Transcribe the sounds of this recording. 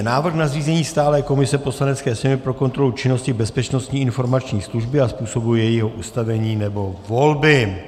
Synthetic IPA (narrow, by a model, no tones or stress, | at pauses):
naːvr̩xnazriːzɛɲiːst̪aːlɛːko̞mɪsɛpo̞slanɛt͡skɛːsɛmɪpɾo̞ko̞nt̪ɾo̞lut͡ʃɪno̞scɪbɛspɛt͡ʃno̞st̪ɲiːɪnfo̞ɾmat͡ʃɲiːsluʒbɪaspuːso̞bujɛjɪɦoʔust̪avɛɲiːnɛbo̞volbɪ